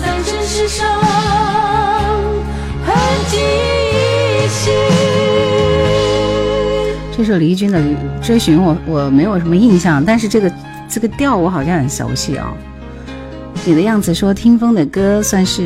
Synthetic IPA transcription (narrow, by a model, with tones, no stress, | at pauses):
a˧˩˧ʂ̩˧ʂo˧ | xə˧t͡ɕi˥˧ | ɕi˧ | ʈ͡ʂɤ˥˧ʂ̬o˥˩li˧˥t͡ɕy˥nd̪ə˨˥ʈ͡ʂɤ˥ɕy˧˥nwɔ˨˩wɔ˨˩me˧˥ɪjo˨˩ʊʂə˧˥nmə˧i˥˧ŋɕjɑ˥˩ŋt̪a˥˧nʂ̬ɻ̩˥˧ʈ͡ʂɤ˥˩ɡə˩ | ʈ͡ʂɤ˥˩ɡə˩t̪jɑ˥˩ʊwɔ˧˥xɑ˨˩ʊɕjɑ˥˧ŋxə˨˩nɕjɑ̰˧˥ʊɕḭ˥˩ɑ̰˩ | ni˨˩d̪ə˦jɑ˥˩ŋd͡zɹ̩˩ʂwɔ˥t̪ʰi˥ŋfɤ˥ŋd̪ə˨kɤ˥swa˥˧nʂɻ̩˥˩